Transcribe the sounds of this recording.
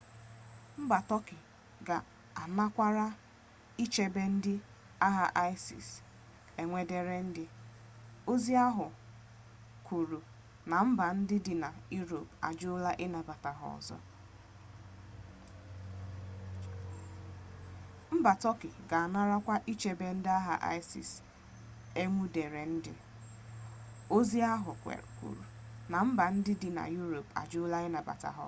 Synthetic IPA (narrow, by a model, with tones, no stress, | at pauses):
m̩˦ba˨tɔ˦kɪ˨ | ɡa˨ | a˨na˦kʷa˦ɾa˦ | i˦t͡ʃe˦be˦n̩˦dɪ˦ | a˦ɦa˦ʔa˦jsḭ˨s | e˨ŋʷe˦de˦ɾe˦n̩˦dɪ˦ | o˦zi˦a˦ɦʊ˨ | kʰʷu˨ɾu˨ | na˨m̩˦ba˨n̩˦dɪ˦dɪ˨na˨ju˦ɾo˨pa̰˨d͡ʒʊ˦la˦ʔɪ˦na˨ba˨ta˨ɦɔ̰˨ɔ̰˨zɔ̰˦ | m̩˦ba˨tɔ˦kɪ˨ɡa˨a˨na˦ɾa˦kʷa˦ʔi˦t͡ʃe˨be˨n̩˦dɪ˦a˦ɦa̰˨ʔa̰˦ɪ˦sḭ˨s | e˦ŋʷu˦de˨ɾe˨n̩˦dɪ̰˦ | o˦zi˦a˦ɦʊ˨kʷḛ˨kʷṵ˨ɾṵ˨ | na˨m̩˦ba˨n̩˦dɪ˦dɪ˨na̰˨ju˦ɾo˨pa̰˨d͡ʒʊ˦ʊ˦la˦ɪ˦na˨ba̰˨ta̰˨ɦɔ̰˨